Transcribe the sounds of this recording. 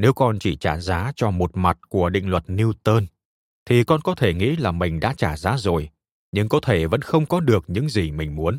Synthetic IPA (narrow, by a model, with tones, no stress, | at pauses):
ne˨˦wkɔ˧nt͡ɕi˧˩t͡ɕaː˧˩zaː˨˦t͡ɕɔ˧mo˨˩t̚ma˨˩t̚ku˧˩əɗḭ̈˧˨ŋ̟lwə˨˩t̚ni˧wt̪əː˧n | t̪ʰi˨˩kɔ˧nkɔ˨˦t̪ʰe˧˩ŋḭ˧˥laː˨˩mï˨˩ŋ̟ɗa̰ː˧˥t͡ɕaː˧˩zaː˨˦zo˨˩j | ɲɨ̰˧ŋkɔ˨˦t̪ʰe˧˩və̰˧˥nxə˧wŋ͡mkɔ˨˦ɗɨ˨˩ək̚ɲɨ̰˧˥ŋzi˨˩mï˨˩ŋ̟mu˨˦ən